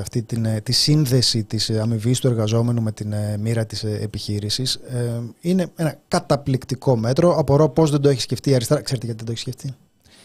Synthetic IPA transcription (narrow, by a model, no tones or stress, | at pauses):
ɐft̪it̪int̪isinðe̞sit̪isɐmivist̪ue̞ɾɣɐzo̞me̞nume̞t̪inmiɾɐt̪isepiçiɾisiseine̞e̞nɐkɐt̪ɐplikt̪iko̞me̞t̪ɾo̞ɐpoɾo̞po̞zðed̪o̞eçisce̞ft̪iɐɾist̪ɾɐkseɾt̪eʝɐt̪ied̪oeçsceft̪i